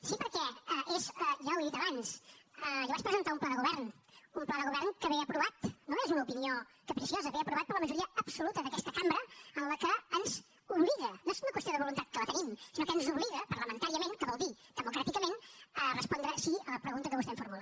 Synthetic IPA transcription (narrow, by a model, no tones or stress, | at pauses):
sipəɾkɛəʔezəʒaəweðit̪əβansəʒaβat͡ʃpɾəzənt̪aumplaðəɣuβɛrn | umplaðəɣuβɛrnkəβeəpɾuβat̪noezunəupiniokəpɾəsiozəβeəpɾuβat̪̚pəɾləməʒuɾiəəpsulut̪əðəkɛst̪əkambɾəənləkəənz | uβliɣənoezunəkwəst̪ioðəβulunt̪at̪̚kələt̪ənimsinokənzuβliɣəpərɾləmənt̪aɾiəmẽnkəβɔlˠd̪id̪əmukɾat̪ikəmenərəspɔnd̪ɾəsiələpɾəɣunt̪əkəβust̪ɛɱfuɾmula